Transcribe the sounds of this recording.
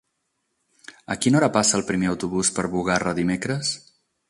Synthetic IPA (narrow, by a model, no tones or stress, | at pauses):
ə̰kinɔɾəpasəːlˠpɾimeəwt̪uβuspəɾβuɣarəðimekɾəs